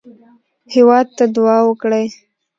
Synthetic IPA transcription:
hɪwɑd̪̚t̪ad̪ʊwɑwəkɽaj

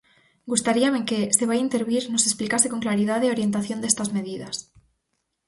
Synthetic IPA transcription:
ɡust̪aɾiame̞ke̞se̞β̞aint̪e̞ɾβiɾno̞se̞splikase̞ko̞ŋklaɾiðaðeo̞ɾje̞nt̪aθjo̞nd̪e̞st̪azme̞ð̞iðas

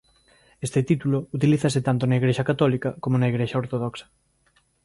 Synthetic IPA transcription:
est̪ɪt̪it̪ulout̪iliθɐsɪt̪ant̪onɐiɣɾeʃɐkat̪ɔlikɐkomonaiɣɾeʃɐoɾt̪oð̞ɔksɐ̥

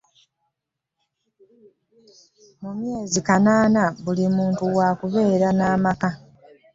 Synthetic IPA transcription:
mumje̞ːzikanaːnaβulimuːntuwaːkuβe̞ːɾanaːmaka

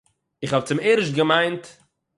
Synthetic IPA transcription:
ɪχhɔb̚t͡sɪmeɪɾɪʃɡəmaɪnt

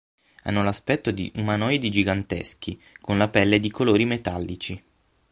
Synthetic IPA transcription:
a̰nːolaspɛt̪ːod̪ḭʔumanɔjd̪id͡ʒiɡant̪ḛsk̟ikonlapɛlːed̪ikoloːɾimet̪alːit͡ʃi

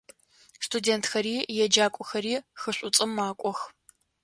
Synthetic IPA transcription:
stʰudeːntʰxɐɾiːjɛd͡ʒaːkʷʼɔxɐɾiːxɨɕʷʼʊt͡sʼɨmːaːkʷʼɔx

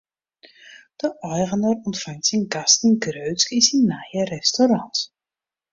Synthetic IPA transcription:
d̥əʔɔjɣənərɔntfaŋtsənkastənɡrøɥtskisinnːaːjərɛstoɾɑnt

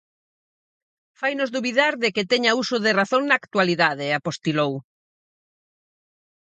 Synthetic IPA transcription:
fajnozðuβiðaɾðekɪt̪ɛɲausʊðɪraθoŋnaːkt̪waliðaðɪapost̪ilow

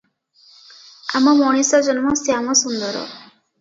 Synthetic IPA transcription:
a̰mɔmɔɽ̃isad͡ʒɔnmɔsiamɔsund̪ɔɾɔ̰

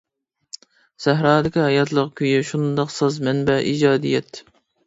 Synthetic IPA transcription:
sæɦɾɑːd̪ɪkʲiɦɑjɑt̪ʰlˠəqkʲʰøjyʃund̪ɑqsɑzmɛnbɛʔḭd͡ʒɑːd̪ijɛt̪

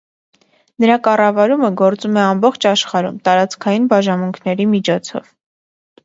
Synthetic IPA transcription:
nəɾɑkɑrɑvɑɾuməɡɔɾt͡sumɛɑmbɔχt͡ʃʰɑʃχɑɾṵmt̪ɑɾɑt͡skʰɑjinbɑʒɑnmuŋkʰnɛɾimit͡ʃʰɔt͡sʰɔ̰v

